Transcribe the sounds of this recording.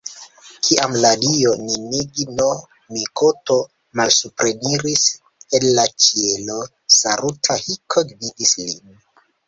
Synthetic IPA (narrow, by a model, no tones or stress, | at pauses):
kʰiʔamladioniniɡno | mikoto̞ | malsupɾe̞niɾis | enːat͡ʃielo | saɾutʰahikʰodvidislḭn